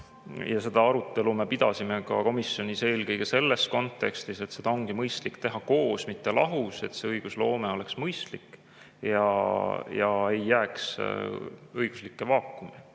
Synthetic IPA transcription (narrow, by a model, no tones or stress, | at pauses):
jɑse̞d̪̥ɑɑɾut̪ːˑe̞lume̞pid̪̥ɑsimekɑ̰ko̞misjo̞nʲise̞ːlkɤjɡ̥e̞se̞lːe̞sko̞nt̪ːˑe̞kst̪ise̞t̪se̞d̪ɑoŋɡimɤjst̪likt̪e̞ɦɑko̞ːsmit̪ːelʔɑɦuse̞t̪se̞ɤjɡ̥uslo̞ːmeo̞le̞ksmɤjst̪likː | jɑ̰jɑ̰e̞jːæːks | ɤjɡ̥u̥slikːe̞vɑːkːˑumi